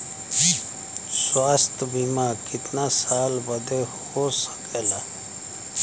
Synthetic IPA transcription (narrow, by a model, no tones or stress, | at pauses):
swaːst̪ʰbimaːkɪt̪nasaːlbəd̪eh | osə̥keːla